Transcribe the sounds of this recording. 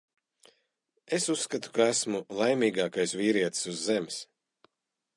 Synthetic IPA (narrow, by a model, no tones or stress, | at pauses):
esusːkat̪u̥kaæsmulˠajmiːɡaːkajsvʲiːɾiɛt̪suzːems